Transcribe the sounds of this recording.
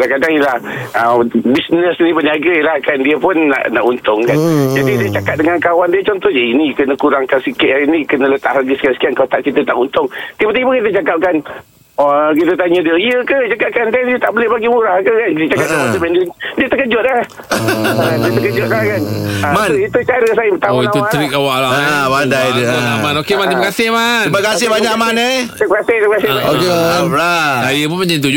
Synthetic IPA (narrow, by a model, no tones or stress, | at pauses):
kadaŋkadaŋjəlahəbisnəsnĩpəniaɡajəlahkandiəpʊnːa̰ʔnaʔunt̪ʊŋkand͡ʒadidiət͡ʃakat̪̚dəŋankawandiət͡ʃɔnt̪ɔhd͡ʒaiinikənəkuɾaŋkansikɪʔinĩkənələt̪a̰ʔlaɡəsə̥kiasə̥kiankat̪aʔkit̪ət̪aʔunt̪ʊŋt̪ipət̪ibəkit̪̬ət͡ʃakap̚kan | ɔk̬it̪ət̪̬aɲə̃diəiəkəd͡ʒakap̚kansaiət̪aʔbəlɪhbaɡimuɾahkəkankit̪ət͡ʃakap̚aad̪əbɛndiədiət̪əkəd͡ʒʊt̪̚la | adiət̪əkəd͡ʒʊt̪̚lakanmanit̪ut͡ʃaɾəs̬ajəbət̪aoiauaɾikawaʔlabandajdəamanokemant̪imakasɪhmanimakasɪhbaɲaʔmanet̪əkasɪht̪imakasɪokelaaijəp̬unmaɲd͡ʒaint̪ud͡ʒ